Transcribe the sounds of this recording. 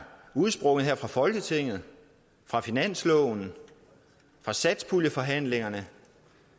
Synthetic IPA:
uð̩ˠsb̥ʁɔ̽ŋð̩ɦeɐ̰fʁɑ̈fɒ̽lɡ̥ət͡sʰe̝ŋ̰ð̞̩ˠ | fʁɑ̈finæn̰slɔʊn̩ | fʁɑ̈sæd̥spʰuljəfɒ̽ɦæn̰le̝ŋɐnə

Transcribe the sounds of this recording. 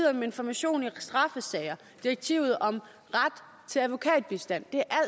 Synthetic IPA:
ð̰ˠɐmee̝nfɒmæɕo̝̰ːnisd̥ʁɑ̈fəsɛːɪɐ | d̥iɐɡ̥̚t͡sʰiʊð̞̩ˠɒ̽m | ʁad̥ | t͡sʰe̝læʋo̝kʰɛ̰ːd̥̚b̥isd̥æn̰d̥e̝æʔæl

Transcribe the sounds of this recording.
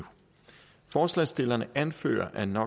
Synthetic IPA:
fɒːslɛːsd̥e̝lɐnəʔænfø̰ːɐ̰ʔænɒ̽

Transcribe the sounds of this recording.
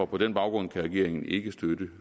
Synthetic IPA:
ɒpʰɒ̽d̥enb̥ɑ̈ʊɡ̥ʁɔ̽nkʰæʁɛɡ̥e̝̰ɐ̰e̝ŋn̩e̝ɡ̥əsd̥ødə

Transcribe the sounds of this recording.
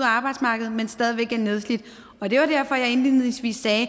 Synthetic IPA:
ɑ̈ːb̥ɑ̈ɪd̥smɑ̈ɡ̥əð̩ˠmensd̥ɛːð̞ˠiʋeɡ̥æɐne̝ð̞ˠslid̥ | ɒ̽d̥e̝ʋɑ̈d̥æɐfɒ̽jɑ̈ɪe̝nlið̰ˠeŋsʋḭːsːɛː

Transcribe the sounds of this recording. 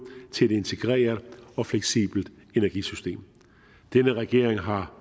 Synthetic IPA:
t͡sʰe̝æe̝de̝nt͡sʰe̝ɡ̥ʁɛ̰ːɐðˠɒ̽fleɡ̥sḭːb̥l̩d̥ | e̝næɐɡ̥ḭsysd̥e̝̰ːm | d̥enəʁɛɡ̥e̝ɐ̰eŋɦɑ̈

